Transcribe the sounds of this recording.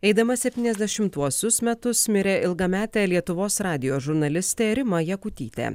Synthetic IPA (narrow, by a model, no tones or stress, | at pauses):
ɛɪd̪ɐmɐsʲɛpʲt̪ʲiːnʲɛzʲd̪ʲɛʃʲɪmt̪uɔsʲʊsmʲɛt̪ʊsmʲɪɾʲeːʔɪlˠɡɐmʲæːt̪ʲeːlʲiɛt̪ʊʋoːsɾɑːd̪ʲɪjoːʒʊɾnɐlʲɪsʲt̪ʲeːɾʲɪmɐjɛkʊt̪ʲiːt̪ʲḛː